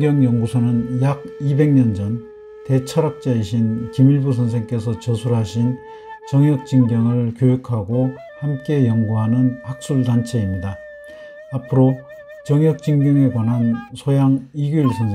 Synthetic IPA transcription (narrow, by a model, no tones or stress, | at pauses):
ɡjʌŋjʌŋɡusʰʌnɯnjaɡ̚ibe̞ŋɲʌnd͡ʑʌn | te̞t͡ɕʰʌɾak̚t͡ɕ͈aiɕʰinkimiɭbus̬ʰʌns̬ʰeŋk͈e̞sʰʌt͡ɕʌsʰuɾɦaɕʰin | t͡ɕʌŋjʌk̚t͡ɕ͈iŋɡjʌŋɯɭkjojukʰaɡo | hamk͈e̞jʌŋɡuɦanɯnhak̚s͈uɭdant͡ɕʰe̞imɲida | apʰɯɾo | t͡ɕʌŋjʌk̚t͡ɕ͈iŋɡjʌŋe̞kwanɦansʰojaŋiɡjuiɭsʰʌnsʰe